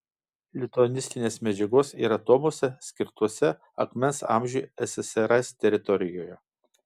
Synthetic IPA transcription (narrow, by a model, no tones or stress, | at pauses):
lʲɪt̪ɔnʲɪsʲt̪ʲɪnʲeːsmʲɛd͡ʒʲɛɡoːsḭɾɐt̪oːmoːsʲɛsʲkʲɪɾt̪uɔsʲɛ | ɐ̰kmʲɛnsɑ̰ːˑmʲʒʲuːˑɛsʲɛsɛɾɐst̪ʲɛɾʲɪt̪ɔɾʲɪjoːjɛ